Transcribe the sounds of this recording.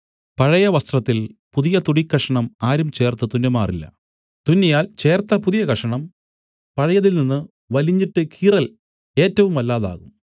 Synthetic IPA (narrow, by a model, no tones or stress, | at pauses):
pɐɻɐjɐʋɐst̪rɐt̪ːilpuðijɐt̪uɽikːɐʂɐɳɐmaːɾumt͡ɕe̞ːrt̪ɐt̪unːɐmaːrilːɐ̰ | t̪unːɐjaːlt͡ɕe̞ːrt̪ːɐpuðijɐkɐʂɐɳɐm | pɐɻɐjɐðilninːɨ | ʋɐliɲːiʈːɨkʰiːrɐl | e̞ːtːɐʋumɐlːaːða̰ːɣum